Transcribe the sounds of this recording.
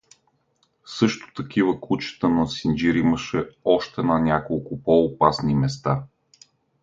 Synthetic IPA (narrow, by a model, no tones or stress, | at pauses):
sɤʃt̪ʊ̥t̪ɐk̟ivəkut͡ʃə̥t̪ənɐsind͡ʒiɾiməʃɛɔʃt̪ɛnɐnʲakolˠkʊpoːpasnimɛst̪a